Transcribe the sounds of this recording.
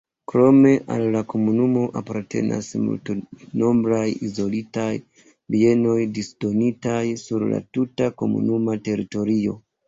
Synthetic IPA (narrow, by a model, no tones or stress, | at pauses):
kɾo̞me̞ʔa̰lːako̞munumo̞ʔapaɾte̞̰na̰smṵltono̞mbɾajizo̞litaj | bie̞no̞jdisd̥o̞nitajsuɾla̰tutako̞̰mṵnumate̞ɾito̞ɾio̞̰